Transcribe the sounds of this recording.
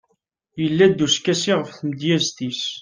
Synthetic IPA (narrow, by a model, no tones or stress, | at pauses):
jəlːæd̪ːuskːæsiʁəfθməd̪jæzt̪is